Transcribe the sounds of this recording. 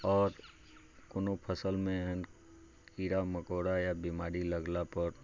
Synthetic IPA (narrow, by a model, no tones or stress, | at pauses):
ɔːɾ | konopʰəsəlmẽɦən | kiːɾaməkoːɽajabimaːɾiləɡlapəɾ